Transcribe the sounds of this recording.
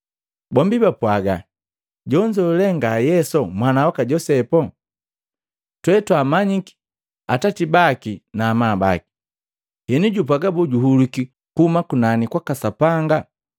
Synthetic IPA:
bɔmbibapwaɡa | ɟɔɲd͡ʒɛulɛŋɡajɛsɔmwanawakaɟɔsɛpɔ | twɛtwamaɲiki̥ | atatibakinaːmaːba̰ki̥ | hɛnuɟup̬aɡabɔɟuɦuluki | kuhumakunanikwakasapaŋɡa

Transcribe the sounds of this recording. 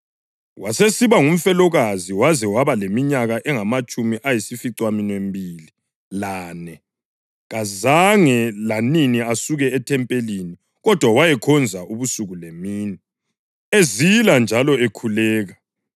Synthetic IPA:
wʔasesiβaŋum̩fɛlɔɣaziwazɛwaβalemiɲaɣaʔɛŋamat͡ʃʼumiʔajisifiǀwaminwembʱili | laːnɛ | ɣazaŋɛlaniniasuɣɛːtʰɛmpʼelini | ɣɔd̥ʱwawajɛkʰɔnd͡zʱaʔuβusuɣulemiːni | eziland͡ʒʱalɔekʰulɛːɣa

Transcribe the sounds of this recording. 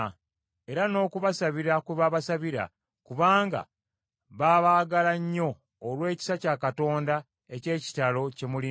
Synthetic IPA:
e̞ɾano̞ːkuβasaβiɾakweβaβasaβiɾa̰ | kuβaːŋɡa̰ | βaːβaːɡalaɲːo̞ː | lwe̞ːci̥sacaːkato̞ːnda | e̞ce̞ːci̥talo̞cemuli

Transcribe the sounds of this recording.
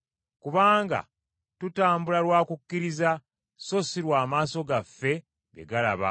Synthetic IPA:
kuβaːŋɡa̰ | tutaːmbulalwaːkukːiɾiza | so̞siɾwaːmaːso̞ɡafːe̞ | ɡe̞̰ɡala̰βa̰

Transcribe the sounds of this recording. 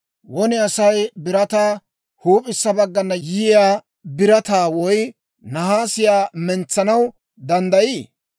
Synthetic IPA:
wɔnɪɐsɐjbɪɾɐt̪aː | huːpʼɪsːɐbɐɡːɐnːɐjɪjaː | bɪɾɐt̪aːwɔj | nɐɦaːsɪjaːmɛnt͡sːɐnɐw | d̪ɐnd̪ɐjiː

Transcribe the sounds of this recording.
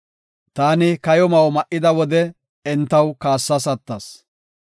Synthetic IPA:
t̪aːnɪkɐjɔmɐwmɐʔɪd̪ɐwɔd̪ɛ | ɛnt̪ːɐwkaːsːɐsɐt̪ːɐs

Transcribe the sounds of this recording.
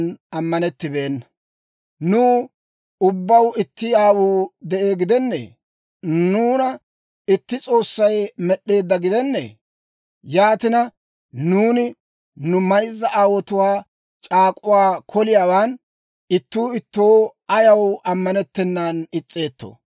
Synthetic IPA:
nɐmːɐnɛt̪ːɪbe̞ːnːɐ | nuː | ʊbːɐwɪt̪ːɪaːwuːd̪ɛʔe̞ːɡɪd̪ɛnːḛ | nuːnɐ | ɪt̪ːɪt͡sʼo̞ːsːɐjmɛɗːe̞ːd̪ːɐɡɪd̪ɛnːɛ̰ | jaːt̪ɪnɐ | nuːnɪ | nʊmɐjzːɐʔaːwɔt̪ʊwaː | t͡ʃʼaːkʼʊwaːkʰɔlɪjaːwaːn | ɪt̪ːuːɪt̪ːo̞ːɐjɐwɐmːɐnɛt̪ːɛnːaːnɪt͡sʼːe̞ːt̪ːo̰ː

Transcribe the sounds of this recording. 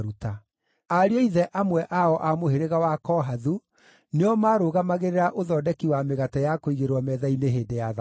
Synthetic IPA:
ɾuta | aɾeɔiðɛʔamwɛʔaɔʔamoheɾeɣawakɔɦaðu | neɔmaːɾoːɣamaɣeɾeɾaʔoðɔːdɛkiwameɣatɛjakoiɣeɾwɔmɛðaineɦeːdejað

